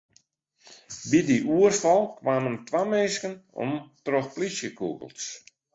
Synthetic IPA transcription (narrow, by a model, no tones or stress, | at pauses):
bidiʔuərfɔlˠkʋaːməntʋamenskənɔ̰mtroxplisjəkṵɣə̰lˠs